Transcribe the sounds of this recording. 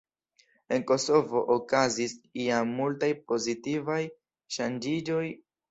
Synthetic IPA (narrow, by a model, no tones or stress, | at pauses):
e̞nko̞so̞vo̞ʔokazisiamːultajpo̞zitivaj | ʃand͡ʒid͡ʒo̞j